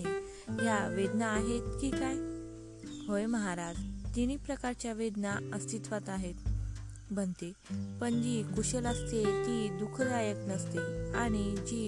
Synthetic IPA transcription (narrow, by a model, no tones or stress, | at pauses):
e | ɦjaʋed̪naːɦet̪kikaj | ɦojməɦaɾad͡zt̪iñipɾəkaɾt͡ɕjaʋed̪naəst̪it̪ʋat̪aɦet̪ | bʱənt̪e | pəɳd͡ʑikuɕəlast̪et̪id̪ukʰd͡zajəknəst̪eaɽ̃id͡ʑi